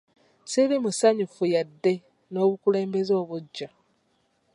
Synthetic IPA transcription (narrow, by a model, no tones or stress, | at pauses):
siɾimusaɲufujadːe̞ | no̞ːβukuleːmbe̞zo̞ːβuɟːa